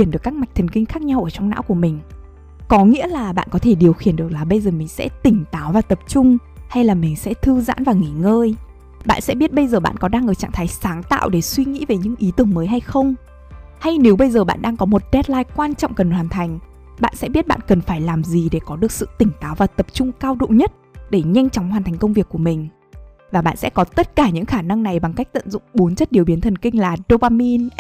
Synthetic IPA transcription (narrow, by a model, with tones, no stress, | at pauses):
i˧˩ənɗɨ˨˩əkːaː˦˥km˨˩jk̚t̪ʰə˨˩nŋki˧ŋ̟xaː˦˥k̚ɲa˧wʔəː˧˩t͡ɕɔ˧wŋ͡mna̰ː˧˥wku˧˩əmï˨˩ŋ̟ | kɔ˨˦ŋḭ˧˥əlaː˨˩ɓa̰ː˧˨nkɔ˨˦t̪ʰe˧˩ɗi˨˩əwxi˧˩ənɗək̚laː˨˩ɓə˧jzəː˨˩mï˨˩ŋ̟sɛ̰˧˥t̪ï˨˩ŋ̟t̪aː˨˦wvaː˨˩t̪ə˨˩p̚t͡ɕʊ˧ŋ͡mha˧jlaː˨˩mï˨˩ŋ̟sɛ̰˧˥t̪ʰɨ˧za̰ː˧˥nvaː˨˩ŋi˧˩ŋəː˧j | ɓa̰ː˧˨nsɛ̰˧˥ɓi˦˥ət̚ɓə˧jzəː˨˩ɓa̰ː˧˨nkɔ˨˦ɗaː˧ŋʔəː˧˩t͡ɕa̰ː˧˨ŋt̪ʰaː˨˦jsaː˨˦ŋt̪a̰ː˧˨wɗe˧˩swi˧ŋḭ˧˥ve˨˩ɲɨ̰˧˥ŋʔi˨˦t̪ɨ˨˧˩əŋməː˨˦jɦa˧jxə˧wŋ͡m | ha˧jne˨˦wɓə˧jzəː˨˩ɓa̰ː˧˨nɗaː˧ŋkɔ˨˦mo˨˩t̚ɗɛ˦˥t̚laː˧jkwaː˧nt͡ɕɔ̰˧˨wŋ͡mkə˨˩nhwaː˨˩nt̪ʰa˨˩jŋ̟ | ɓa̰ː˧˨nsɛ̰˧˥ɓi˦˥ət̚ɓa̰ː˧˨nkə˨˩nfaː˧˩jlaː˨˩mzi˨˩ɗe˧˩kɔ˨˦ɗɨ˨˩ək̚sɨ̰˧˨t̪ï˧˩ŋ̟t̪aː˨˦wvaː˨˩t̪ə˨˩p̚t͡ɕʊ˧ŋ͡mkaː˧wɗo̰˧˨ɲə˦˥t̚ɗe˧˩ɲa˧jŋ̟t͡ɕɔ˨˦wŋ͡mhaː˨˩t̪ʰa˨˩ŋ̟kə˧wŋ͡mvi˨˩əkːu˧˩əmï˨˩ŋ̟ | vaː˨˩ɓa̰ː˧˨nsɛ̰˧˥kɔ˨˦t̪ə˦˥t̚kaː˧˩ɲɨ̰˧˥ŋxaː˧˩na˧ŋna˨˩jɓa˨˩ŋka˦˥jk̚t̪ə̰˧˨nzʊ̰˧˨ŋ͡mɓo˨˦nt͡ɕə˦˥t̚ɗi˨˩əwɓi˨˦ənt̪ʰə˨˩nkï˧ŋ̟laː˨˩ɗo˧paː˧mi˧n